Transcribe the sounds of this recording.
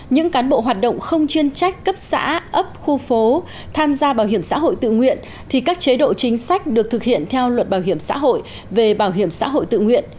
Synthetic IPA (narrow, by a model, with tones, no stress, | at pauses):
ɲɨ̰˧˥ŋkaː˨˦nɓo̰˧˨ɦwaː˨˩t̚ɗə̰˧˨wŋ͡mxə˧wŋ͡mt͡ɕwi˧ənt͡ɕa˦˥jk̟̚kə˦˥p̚sa̰ː˧˥ʔə˦˥p̚xu˧fo˨˦ | t̪ʰaː˧mzaː˧ɓaː˧˩whi˧˩əmsa̰ː˧˥ɦo̰˧˨jt̪ɨ̰˧˨ŋwḭ˧˨ən | t̪ʰi˨˩kaː˦˥k̚t͡ɕe˨˦ɗo̰˧˨t͡ɕï˨˦ŋ̟sa˦˥jk̟̚ɗɨ˨˩ək̚t̪ɨ˨˩k̚hḭ˧˨ənt̪ʰɛ˧wlwə˨˩t̚ɓaː˧˩whi˧˩əmsa̰ː˧˥ɦo̰˧˨j | ve˨˩ɓaː˧˩wɦi˧˩əmsa̰ː˧˥ɦo̰˧˨jt̪ɨ̰˧˨ŋwḭ˧˨ən